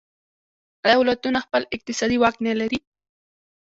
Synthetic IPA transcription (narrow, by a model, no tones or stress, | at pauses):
awlat̪ʊnaxpəlɪq̚t̪ɪsad̪iwaknelaɾi